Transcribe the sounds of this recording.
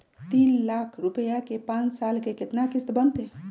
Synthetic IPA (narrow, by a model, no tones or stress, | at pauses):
t̪inlakʰɾupəjakepãnt͡ʃsalkeket̪nakist̪bənt̪e